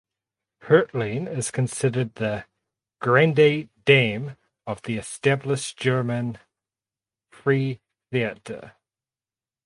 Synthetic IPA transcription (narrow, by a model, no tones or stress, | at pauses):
hɜ˞ʔlĩnɪz̥kʰɨ̃nsɪɾə˞d̪̚ðɨ | ɡ̥ɹæ̃ndeɪd̥ẽɪ̃m | ʌvðiɨstæbləʃd̥ʒ̥ɜ˞mɨ̃n | pʰɹ̥i | θiɨɾə̰